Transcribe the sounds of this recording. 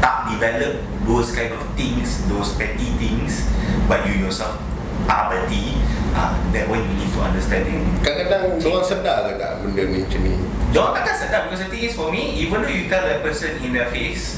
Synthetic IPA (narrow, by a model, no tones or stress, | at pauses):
t̪aʔ̚divɛləp̚ | doskãj̃ndɔft̪ĩŋsdospɛtit̪ĩŋsbat̚jujɔsɛlf | ʔa̰bətia̰dɛt̚wãnjunid̚fɔã̰ndəstɛ̃ndĩŋkakadãŋdɔãnsədalaɡa̰ʔmə̃ndəmɛ̃nt͡ʃə̃nḭdɔãnkaɡãnsədabikɔsdət̪ĩŋisfɔmiivə̃ndojut̪ɛldɛpəsə̃nĩndɛfes